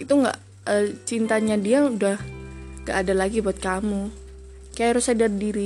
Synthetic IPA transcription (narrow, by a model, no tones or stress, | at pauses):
it̪uŋɡa̰ʔ | ət͡ʃint̪aɲadiaudahŋɡaʔːdalaɡibuat̪̚kamu | kajaʔɾusadardiɾi